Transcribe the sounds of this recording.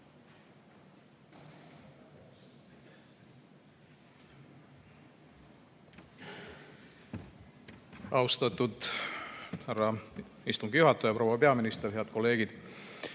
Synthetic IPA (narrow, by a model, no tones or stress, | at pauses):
ɑwst̪ɑt̪ːˑud̪ | hærːɑist̪uŋɡijuhɑt̪ːˑojɑpɾo̞wɑpeɑminist̪erɦe̞ɑd̪̥ko̞lːe̞ːɡ̥id̪̥